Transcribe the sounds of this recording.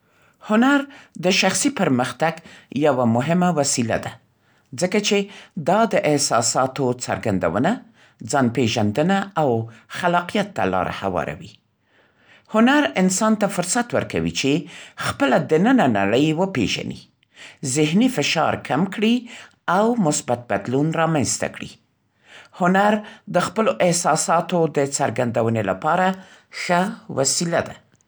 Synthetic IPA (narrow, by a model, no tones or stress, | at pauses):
hʊnaɾd̪əʃaxsipəɾməxt̪aɡjawamʊɦɪmawasila̰d̪a | d͡zəkat͡ʃed̪ɑd̪əʔɪhsɑsɑt̪ot͡sa̰ɾɡand̪a̰wəna | d͡zɑnpeʒand̪ənaawxalɑqijat̪ːa̰lɑ̰ɾa̰ha̰wɑ̰ɾa̰wi | hʊnaɾɪnsɑnt̪afʊɾsat̪wə̰ɾka̰wḭt͡ʃexpəlad̪ənənana̰ɽəjwəpḛʒa̰nḭ | zɪhnifɪʃɑ̰ɾkʰamkɽi | awmʊsbat̪̚bad̪lunɾɑmanst̪a̰kɽi | hʊnaɾd̪əxpəloʔɪhsɑsɑt̪od̪ət͡saɾɡand̪awənela̰pɑɾaxəwasilad̪a